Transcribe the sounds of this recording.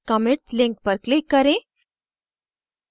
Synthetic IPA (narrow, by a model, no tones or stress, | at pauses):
kɔmeʈslĩŋk̚pəɾklikːəɾẽ